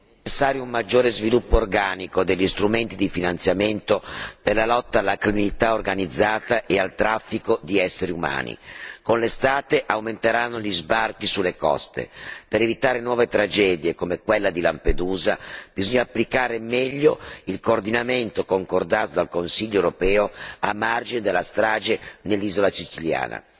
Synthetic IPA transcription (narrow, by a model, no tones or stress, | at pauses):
t͡ʃesːaːɾjoumːad͡ʒːoːɾezvilupːoːrɡaːnikod̪eʎːist̪ɾument̪id̪ifinant̪sjament̪operlalɔt̪ːaːlːakɾiminlit̪aorɡanid̪zːaːt̪aʔealt̪ɾafːikod̪iɛsːeɾiuma̰ːnḭkonlest̪aːt̪eʔawment̪eɾanːoʎizbark̟isulːekɔ̰st̪ḛpeɾevit̪aːɾenwɔːvet̪ɾad͡ʒɛːd̪jekomekwelːad̪ilamped̪uːzab̥izoɲːaːpːlikaːɾemɛʎːoilkoːrd̪inament̪okoŋkord̪aːt̪od̪alkonsiʎːoewɾopɛːoamːard͡ʒined̪elːast̪ɾaːd͡ʒenelːizolat͡ʃit͡ʃilja̰ːna̰